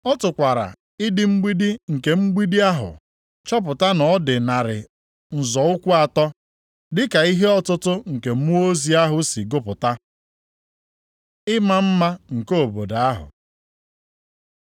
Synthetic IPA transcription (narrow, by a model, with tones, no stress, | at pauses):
ɔ˦tʊ˨kʷa˨ɾa̰˨ | ɪ˦dɪ˦ŋ͡m̩˦ɡ͡bi˦di˦ŋ̩˨ke˨ŋ͡m̩˦ɡ͡bi˦di˦a˦ɦʊ̰˨ | t͡ʃɔ˦p̬ʊ˨ta˦nɔ˨˦dɪ˨na˨ɾɪ̰˨ | n̩˨zɔ˨ʊ˦kʷu˦a˨tɔ˦ | dɪ˦ka˨i˦ɦe˦ɔ˦tʊ˦tʊ˦ŋ̩˨ke˨m̩˦u˦o˦zi˦a˦ɦʊ˦si˨ɡʊ˦pʊ˨ta˦ | ɪ˦ma˦m̩˦ma˦ŋ̩˨ko˦o˨bo˨da˨a˦ɦʊ̰˨